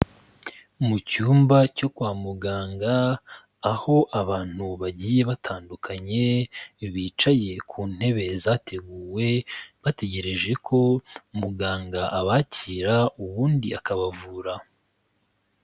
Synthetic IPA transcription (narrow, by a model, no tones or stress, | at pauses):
mucuːmbaco̞kwaːmuɡaːŋɡaː | ho̞ʔaβaːn̥huβaɟiːje̞βatʰaːndukʰaɲe̞βiːt͡ʃaje̞kʰuːn̥he̞βe̞zaːtʰe̞ɡuːwe̞βate̞ɟe̞ɾe̞ʒe̞kʰo̞muɡaːŋɡaʔaβaciɾauβuːndiakaβavuːɾa